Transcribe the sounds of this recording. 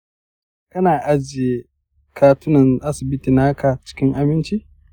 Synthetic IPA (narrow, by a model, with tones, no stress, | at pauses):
kɐ˦naː˨ʔa˦d͡ʒɪ˨je˨ | kʰaː˦tʊ˦nɐ˨nʔa˦sɪ˨bɪ˦tiː˨na˦kʰa˨t͡ʃɪ̥˦kʲɪ˦ŋʔa˨bɪ˦nt͡ʃi˦